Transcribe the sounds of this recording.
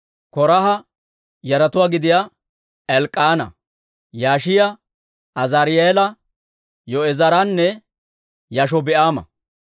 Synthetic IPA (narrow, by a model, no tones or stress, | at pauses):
kɔɾɐɦɐ | jɐɾɐt̪ʊwaːɡɪd̪ɪja | ɛlkʼːaːnɐ̰ | jaːʃɪjɐ | ɐzaɾɪjeːlɐ | jɔɛzɐɾanːɛ | jɐʃ̬ɔbɛʔaːmɐ̰